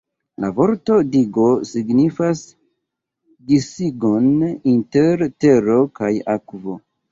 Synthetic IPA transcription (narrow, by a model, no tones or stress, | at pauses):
la̰vo̞ɾto̞diɡo̞siɡnifas | disiɡo̞ninte̞ɾte̞ɾo̞kajakvo̞